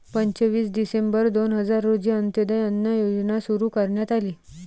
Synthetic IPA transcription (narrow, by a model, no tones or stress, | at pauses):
pəɲt͡ɕəʋiːsɖisembəɾd̪onɦəd͡zaɾːod͡ʑiənt̪jəd̪əjənjəjod͡znasuɾuːkəɾɳjat̪aliː